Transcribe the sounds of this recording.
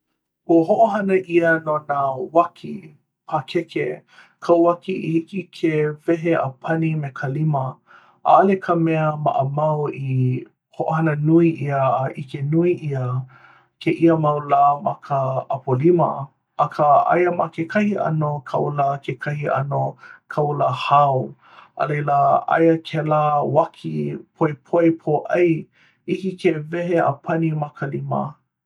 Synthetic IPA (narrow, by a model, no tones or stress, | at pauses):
uəɦoʔoɦɐnəʔiənonawakʰi | pʰakʰɛke | kʰawakiihikikʰevɛɦeʔə̰pʰɐnimekʰəlimə | ʔaːlekʰəmɛəma̰ʔəmɐwi | hoʔohɐnənuiʔiəːʔikenuiʔiə | kʰeʔiəmɐwlaːmɐkʰəɐpolimə̰ | ʔɐkʰəʔa̰jəmakekʰɐhiʔɐ̰nokʰɐwlakʰekʰɐhiʔɐ̰nokʰawləhaw | ʔə̰lejləa̰jəkʰelawakʰipʰojpʰojpʰoʔɐj | ikikevɛɦeʔə̰pʰɐnimɐkʰəlimə̰